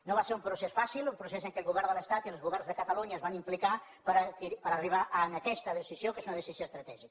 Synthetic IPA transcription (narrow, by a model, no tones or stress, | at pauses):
nõβaseɾumpɾusesfasilˠumpɾuseseŋkelˠɣuβɛɾndələst̪at̪iəlˠzɣuβɛrnzðəkət̪ɐluɲəzβanimplika | pəɾakiɾipəɾariβ̞aʔənakɛst̪ɐðəsizjokezunəðesizjoest̪ɾɐt̪ɛʒikə